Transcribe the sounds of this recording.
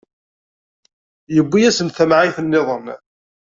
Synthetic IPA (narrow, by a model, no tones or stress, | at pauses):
jəbːijæsənθæmʕiθənːɪðˤən